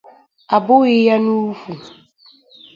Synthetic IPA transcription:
a˨bʊ˦i˦ja˦nu˦fu˨

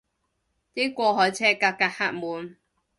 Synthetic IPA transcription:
t̪e˥kʷɔː˧ɦɔ˨˦jt͡sʰɛː˥ka˧ka˧ha˧t̚muː˨˦n

